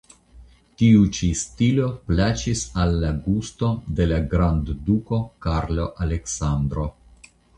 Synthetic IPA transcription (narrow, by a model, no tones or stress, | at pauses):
tiut͡ʃistilo̞plat͡ʃisalːaɡusto̞de̞laɡɾandduko̞kaɾlo̞ʔale̞ksand̪ɾo̞